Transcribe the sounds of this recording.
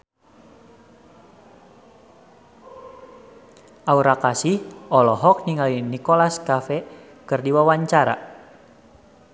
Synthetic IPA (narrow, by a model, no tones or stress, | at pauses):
ʔauɾakasihɔlɔɦɔk̚niŋalinikolaskafɛ | kɨrdiwawaɲt͡ʃaɾa̰